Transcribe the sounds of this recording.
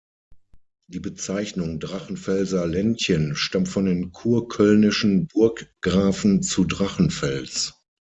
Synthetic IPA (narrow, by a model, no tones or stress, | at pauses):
d̥iːbət͡saɪçnʊŋdʁaχn̩fɛlzɐlɛnçənʃtamtfɔndeːnkʰuːɐkʰœlnɪʃn̩bʊɐkɡ̥ʁaːfn̩t͡sudʁaχn̩fɛlt͡s